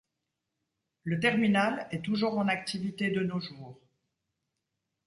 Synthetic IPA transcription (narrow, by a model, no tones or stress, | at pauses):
lət̪ɛʁminalɛt̪uʒuːʁɑ̃nak̚t̪ivit̪ed̪ənoʒuːʁ